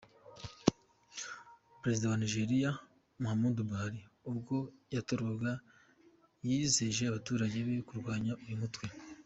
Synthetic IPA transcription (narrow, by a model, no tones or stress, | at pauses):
pɾe̞zidawaniʒe̞ɾija | muhamudubaɾiubɡo̞jatoɾoɡa | jizeʒe̞aβatuːɾaɟe̞βe̞kuɾɡwaːɲaʔujumutwe̞